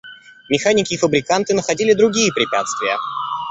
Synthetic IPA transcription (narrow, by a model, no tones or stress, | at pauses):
mʲɪxanʲɪkʲɪːfəbɾʲɪkant̪ɨnəxɐdʲilʲɪd̪ɾʊɡʲijəpɾʲɪpʲæt̪st̪vʲɪjə̰